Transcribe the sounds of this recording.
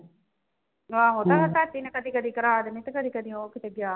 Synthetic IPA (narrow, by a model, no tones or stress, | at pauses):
ʋaːɦot̪aɦɐt̪aːt̪ːinɐkɐd̪ikɐd̪ikɐɾaːd̪ɐmit̪ɐkɐd̪ikɐd̪ioːkit̪ɐɡjaː